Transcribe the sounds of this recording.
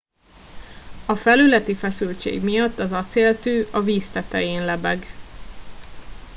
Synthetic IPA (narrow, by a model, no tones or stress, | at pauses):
ɒfɛlylɛt̪ifɛsylt͡ʃḛːɡmijɒt̪ːɒzɒt̪seːlt̪yːʔɒviːst̪ɛt̪ɛjeːnlɛbɛɡ